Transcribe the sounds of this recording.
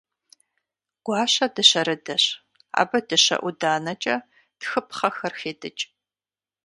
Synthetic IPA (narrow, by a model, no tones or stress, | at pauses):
ɡ̥ʷɑːɕɐdɨɕɐɾɨdɐɕ | a̰ːbɐdɨɕɐ̰ʔʷʊdaːnɐt͡ʃʼɐ | d̥xɨpχɐxɐrxeːdɨt͡ʃʼ